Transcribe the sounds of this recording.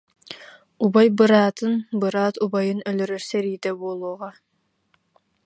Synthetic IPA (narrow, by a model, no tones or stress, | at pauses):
ubajbɯɾaːt̪ɯnbɯɾaːt̪ubajɯnœlœɾœɾsɛɾiːt̪ɛbuɔlˠuːʁɑ